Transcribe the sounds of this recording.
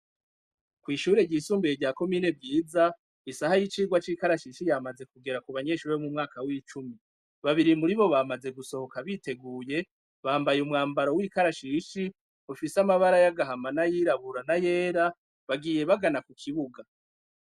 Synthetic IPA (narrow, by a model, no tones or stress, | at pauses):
kwiːʃuːɾe̞ɟiːsuːmbieɾɟaːko̞miːne̞vɟiːza | isahajit͡ʃiːɡwat͡ʃiːkaɾaʃiʃijaːmaze̞kuɡe̞ɾakuβaɲe̞ʃuːɾeomumŋaːkawiːt͡ʃumi | βaβiɾimuɾiβo̞βamaze̞ɡuso̞ho̞kaβite̞ɡuːje̞ | βaːmbajumŋaːmbaɾo̞wiːkaɾaʃiʃi | ufisamaβaɾajaɡaɦamanajiɾaβuɾanaje̞ːɾa | βaɡiːje̞βaɡanakukʰiβuɡa